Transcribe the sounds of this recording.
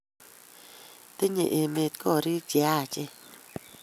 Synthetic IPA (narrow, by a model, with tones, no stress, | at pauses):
t̪e˦ɲḛ̃˨ʔe˧˨me˧t̪̚ko˦˨ɾi˦d͡ʒja˦˨t͡ʃe˦